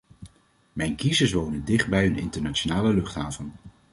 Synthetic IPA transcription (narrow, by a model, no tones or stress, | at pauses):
mɛjnkizəsʋownəndɪχd̚bɛjɦɵnɪ̰ntəɹnat͡ʃonaːləlɵχtɦaːvən